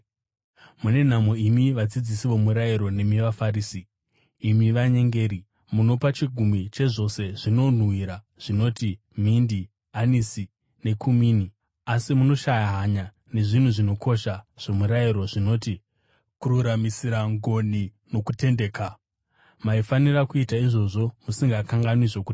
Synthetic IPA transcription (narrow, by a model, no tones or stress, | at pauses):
mune̞n̤amo̞imiʋad͡zid͡zisiʋo̞muɾaiɾo̞ne̞miʋafariːsiː | miʋaɲe̞ŋɡe̞ːɾi | muno̞pat͡ʃiɡʱumit͡ʃe̞ʐo̞se̞ʐino̞n̤wiɾa | ʐ̥ino̞ti | m̤indi | anisi | ne̞kʰumiːni | asimuno̞ʃajaɦaɲa | ne̞ʐin̤uʐino̞kʰo̞ʃaʐ̥o̞muɾaiɾo̞ʐino̞ːti | kuruɾamisiɾaŋɡo̞ni | no̞kute̞nde̞ːka | maifanirakuitaiʐo̞ʐo̞musiŋɡakaŋɡanwizoku